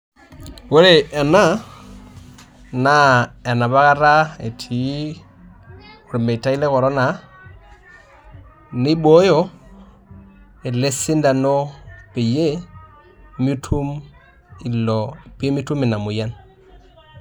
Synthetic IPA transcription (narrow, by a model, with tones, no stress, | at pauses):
we˦ɾe˦˨ɛ˨na˦ | na˦e˨na˨βa˦ka˦ɾa˦ḛ˨tʰi˨˦ | u˨ɾi˨mbe˨ta˦i˦le˦kɔ˨ɾɔ˦na˨ | ni˦ɓo˦jo˦ | e˨le˦si˦nda˨nɔ˦pe˨je˦ | mi˦tʰu˦m | i˨lɔ˨pi˦mi˦tu˦mi˨na˨mu˨ja˦n